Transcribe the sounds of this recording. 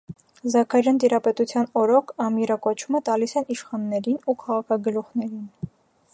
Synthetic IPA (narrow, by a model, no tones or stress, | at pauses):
zɑkʰɑɾɑnt̪iɾɑpɛt̪ut͡sʰjɑnɔɾɔkʰɑmiɾɑkɔt͡ʃʰumɛt̪ɑlisɛniʃχɑnːɛɾinukʰɑʁɑkʰɑɡəluχnɛɾin